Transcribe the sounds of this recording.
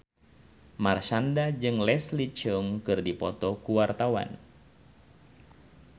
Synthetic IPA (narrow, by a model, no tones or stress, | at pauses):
marʃandad͡ʒɨŋlɛslit͡ʃəŋkɨrdipɔt̪ɔkuwart̪awa̰n